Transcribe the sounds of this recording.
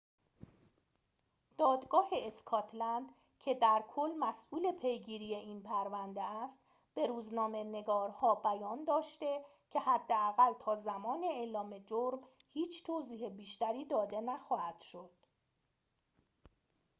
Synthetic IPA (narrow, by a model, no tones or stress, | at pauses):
d̪̥ɒːd̪ɡɒːhe̞eskʰɒːt̪ʰlænd̪ | cʰe̞d̪æɾkʰolːmæsʔuːle̞pʰe̞jɡiːɾije̞ʔiːnpʰæɾvænd̪eæst̪ | b̥e̞ɾuːznɒːme̞ne̞ɡɒːɾhɒːbæjɒːnd̪ɒːʃt̪e̞ | cʰe̞hæd̪ːeæɣælt̪ʰɒːzæmɒːne̞eːlɒːme̞d͡ʒoɾmhiːt͡ʃʰt̪ʰoːziːhebiːʃt̪æɾiːd̪ɒːd̪e̞næxɒːhæd̪̥ʃo̞d̪̥